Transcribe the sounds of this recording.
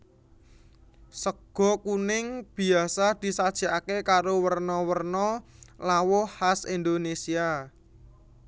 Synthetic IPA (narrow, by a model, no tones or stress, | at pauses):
səɡ̥ɔ̤kunɪŋb̥i̤asad̪̥i̤sad̥ʒ̥a̤ʔakekaɾowərnɔwərnɔlawɔhasind̪onesia